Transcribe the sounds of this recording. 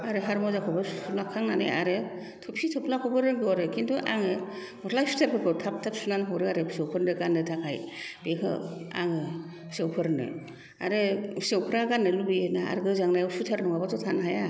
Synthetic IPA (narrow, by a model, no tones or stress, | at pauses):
aɾɯɦaɾmɔzakʰɔbɯunakʰːaŋnanɯja̰ɾɯ | tʰupsitʰɔpʰlakʰɔbɯɾɯɡɯɔɾɯkʰintʰuʔaŋɯmɔtʰlajsu̥tʰapʰɯkʰɯtʰap̚tʰap̚sunanɦɔɾɯaɾɯsewpʰɯɾndɯɡandɯtʰakʰajb̥ekʰɯ̰a̰ŋɯ | sewpʰɯɾnɯ̰ | a̰ɾɯsewpʰɯɾaɡanɯlubiɯnaa̰ɾɡɯzaŋnajwsutʰaɾnɔŋabatʰɔtʰanɦaja